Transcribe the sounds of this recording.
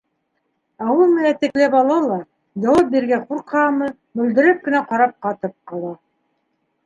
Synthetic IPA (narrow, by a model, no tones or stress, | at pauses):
ɑwɤlˠmɘ̆næt̪ɘ̆klæpɑlˠɑlˠɑ | j̪ɑwɑp̚biɾɡæquɾqʰɑmɤ | mɵ̆ld̪ɘ̆ɾɘp̚kɘ̆næqɑɾɑp̚qɑt̪ɤp̚qɑlˠɑ